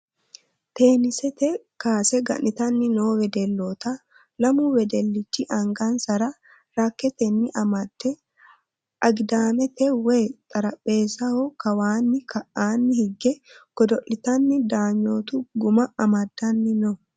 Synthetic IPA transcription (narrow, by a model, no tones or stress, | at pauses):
t̪e̞ːnɪsɛt̪ɛ | kaːsɛɡɐ̰ʔʔɪt̪ɐnːɪnoːwɛd̪ɛlːoːt̪ɐ | lɐmuːwɛd̪ɛlːɪt͡ʃːɪʔɐŋɡɐnsɐɾɐ | ɾɐkːɛt̪ɛnːɪʔɐmɐd̪̥ːɛ | ʔɐɡd̪aːmɛt̪ɛweːt̪ʼɐɾɐpʼːe̞ːsɐhɔkɐwaːnːɪkɐʔaːnːɪhɪɡːɛɡ̥ɔd̪ɔʔɪt̪ɐnːɪd̪aːɲːoːt̪ʊɡʊmɐɐmɐd̪ːɐnːɪno